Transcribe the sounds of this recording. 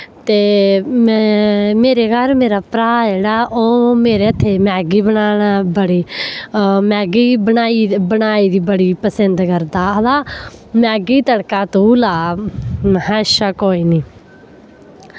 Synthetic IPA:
t̪eː | meːɾeːɡalmeːɾaːpɾaːeːɽaːʔoːmeːɾeːət̪ʰːeːmɛːɡiːbənaːɽaːbəɽiː | mɛːɡiːbənaːibənaːiːd̪iːbəɽiːpəsənd̪kəɾd̪aːəlaːmɛːɡiːt̪əɽkaːt̪ulaː | ɦɛ̃ːʃaːkoːiːniː

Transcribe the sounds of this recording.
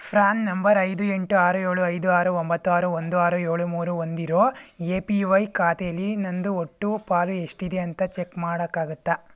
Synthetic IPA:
pʰɾaːnnɐmbɐɾɐjd̪ue̞ɳʈuaːɾue̞ːɭuɐjd̪uaːɾuombɐt̪ːuaːɾuond̪uaːɾueːɭumuːɾuond̪iɾoːeːpiʋɐjkaːt̪ejɐlːinɐnd̪uoʈːupaːlue̞ʂʈid̪eɐnt̪ɐt͡ʃekmaːɽɐkːaːɡut̪ːɐ

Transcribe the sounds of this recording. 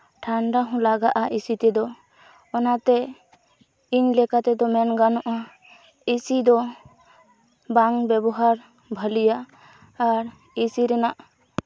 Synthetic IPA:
ʈʰaɳɖaɦɔ̃laɡaʔaisit̪ɛd̪ɔː | nat̪ɛ | iɲlɛkat̪ɛd̪ɔmɛnɡanɔʔa | isid̪ɔ | baŋbɛbɔɦaɾ | bʱəlijaː | ɾ | isiɾɛnaʔ

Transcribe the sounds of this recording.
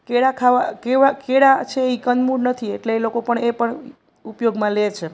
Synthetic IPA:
keɽakʰaʋakeʋakeɽat͡ʃʰeikənmuɽnət̪ʰieʈlelokopəɳepəɳ | upjoɡmãlet͡ʃʰe

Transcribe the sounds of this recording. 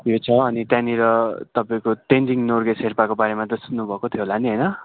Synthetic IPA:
jot͡sʰʌːnit̪jãniɾʌt̪ʌpaĩkoʈend͡ziŋnorɡesɦerpakobaɾemat̪ʌsunnːubʱʌkot̪ʰjoɦolaniɦʌjnʌ

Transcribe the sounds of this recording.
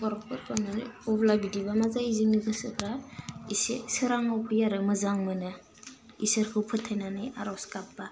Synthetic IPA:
bɔɾɔpɯɾkʰanɯnɔblabidibamazaiziŋnɯkʰɯsɯkɾaisḛsɯɾaŋɔwpʰɯjaɾɯmɯzaŋmɯnɯ | isɯɾkʰɯwpʰɯtʰːajnanɯja̰ɾɔwskapba

